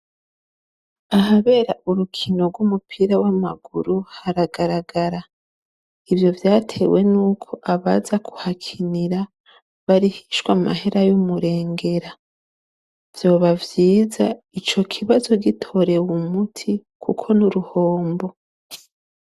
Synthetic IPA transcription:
aɦaβe̞ːɾaʔuɾukʰino̞ɾɡwumupʰiɾawamaɡuɾuhaɾaɡaɾaɡaɾa | ivjo̞vjaːtʰe̞we̞nuːkʰo̞ʔaβazaku̥hakʰiniɾa | βaɾihiʃwama̰ɦe̞ɾajumuɾe̞ːŋɡe̞ɾa | v̥jo̞ːβavjiːza | it͡ʃo̞kʰiβazo̞ɡitʰo̞ɾe̞wumutʰikʰukʰo̞nuɾuho̞ːmbo̞

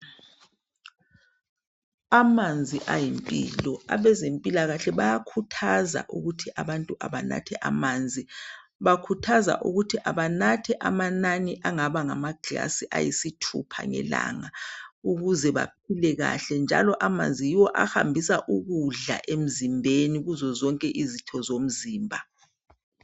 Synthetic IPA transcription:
amand͡zʱiʔajimpʼḭːlɔa̰βɛzempʼilaɣaɬɛβajakʰutʰaza̰ʔuɣutʰiʔaβantʼuʔa̰βana̰tʰɛʔamaːnd͡zʱiβakʰutʰaza̰ʔuɣutʰiʔaβanatʰɛʔamananiʔaŋaβaŋamaɡ̥la̰siʔajḭsitʰṵpʰa̰ŋɛ̰la̰ŋauɣuzɛβa̰p̚ʰilɛɣa̰ɬɛnd͡ʒʱa̰lɔʔama̰nd͡zʱijiwɔʔaxa̰mbʱisaʔuɣuɮa̰ʔem̩zimbʱeniɣuzɔzɔŋkʼɛʔizitʰɔzom̩ziːmbʱa

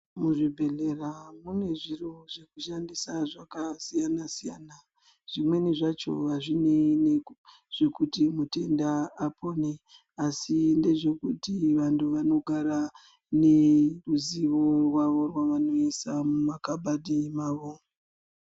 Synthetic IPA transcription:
muʐibʱe̞ɮe̞ramune̞ʐiroʐe̞kuʃandisaʐakasijanasijaːna | ʐ̥imwe̞niʐat͡ʃo̞̰ʋaʐinene | ʐ̥e̞kutimute̞ndaːpʰone̞ | asinde̞ʐe̞kutiʋantuʋano̞ɡʱaɾa | neruziʋo̞rwaʋo̞rwaʋano̞isamumakabʱadʱimaːʋo̞

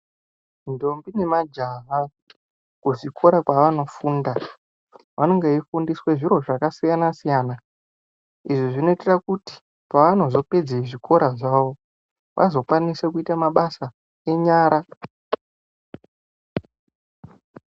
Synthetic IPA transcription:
ndo̞mbine̞mad͡ʒaɦa | kuʐikʰo̞ɾakwaʋano̞fuːnda | ʋano̞ŋɡeifundiswe̞ʐiɾo̞ʐakasijanasijaːna | iʐiʐino̞ite̞rakuti̥ | paʋano̞zo̞pe̞d͡zeiʐiko̞ɾaʐaʋo̞ | ʋʔa̰zo̞kwanisekuitamaɓasa | eɲaːɾa

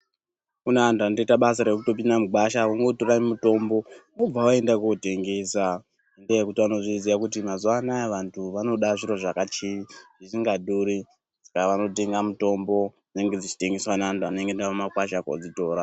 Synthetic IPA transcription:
kuneantuandoitaɓas̬aɾek̬uto̞p̬indamuɡwaʃawoŋɡo̞toraimuto̞mbo̞mob͡vawae̞ndakuote̞ŋɡe̞sa | endejekutiʋano̞ʐiziʋakut̬imazuanaeʋantʰuʋano̞ɗaʐiɾo̞ʐakat͡ʃiiʐ̥iʐiŋɡadʱuɾi | d͡zikaʋano̞t̬e̞ŋɡamuto̞mbo̞ | ine̞ŋɡe̞d͡zit͡ʃi̥te̞ŋɡeswanaantuane̞ŋɡendaomakwaʃako̰d͡zito̞ːɾa

